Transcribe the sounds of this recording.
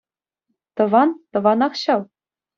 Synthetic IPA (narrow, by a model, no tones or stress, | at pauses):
t̪ɤ̆ʋɑnt̪ɤ̆ʋɑnɑχɕɑlˠ